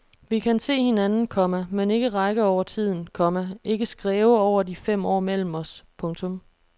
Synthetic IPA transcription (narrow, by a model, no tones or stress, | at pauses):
ʋikʰænse̝̰ːhe̝nænn̩kʰɒ̽mæmene̝ɡ̥əʁɑ̈ɡ̥əɒʊ̰ɐt͡sʰið̞̰ˠn̩kʰɒ̽mæe̝ɡ̥əsɡ̥ʁɛːʊəɒʊ̰ɐdifem̰ɒ̰ːmel̰m̩ɒ̽spʰɔ̽ŋt͡sʰɔ̽m